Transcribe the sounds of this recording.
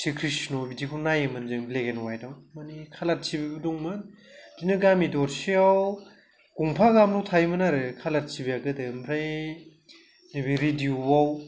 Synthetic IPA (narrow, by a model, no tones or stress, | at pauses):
sikʰɾisnobidikʰunajemɯnzɯŋbleɡenwajdawmanikʰalat̚sibibɯduŋmɯn | zinɯɡamidɔɾsiaw | kuŋpʰaɡamnɔwtʰajmɯnaɾɯkʰalat̚sibiaɡɯdɯmɾa | nebiɾidiuwaw